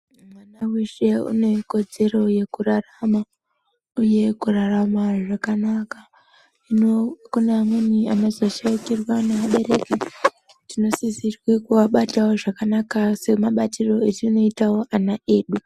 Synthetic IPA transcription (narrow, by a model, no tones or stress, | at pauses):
manawiʃe̞ṵne̞ko̞d͡ze̞ɾo̞je̞kurarama | uje̞kuraramaʐakanaka | inokunamuniamazoʃaikirwanemaɓe̞ɾe̞ki | tino̞sizirwekuʋaɓatawo̞ʐakanakase̞maɓatiro̞et͡ʃino̞itawo̞ʔanaʔe̞ːɗu